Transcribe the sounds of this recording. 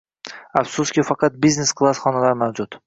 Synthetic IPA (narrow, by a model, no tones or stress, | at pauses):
afsuskʲɪfɑqʰɑt̪̚bizne̞skʰlˠasχɒnalaɾmawd͡ʒʊt̪